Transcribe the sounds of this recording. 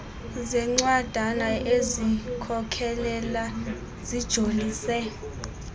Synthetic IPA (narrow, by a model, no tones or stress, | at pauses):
zɛŋ͡ǀwad̥ʱanaezikʰɔkʰɛlɛla | z̥id̥ʒ̥ʱoliːsɛ